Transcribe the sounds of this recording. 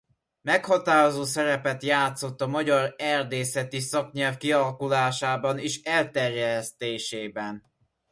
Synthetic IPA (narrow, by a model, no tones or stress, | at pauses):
mɛkhɒt̪aːɾo̞zoːsɛɾɛpɛt̪jaːt̪so̞t̪ːɒmɒɟɒɾɛrd̪eːsɛt̪isɒkɲɛlfkiɒlɒkulaːʃaːbɒniʃɛlt̪ɛrjɛst̪eːʃeːbɛn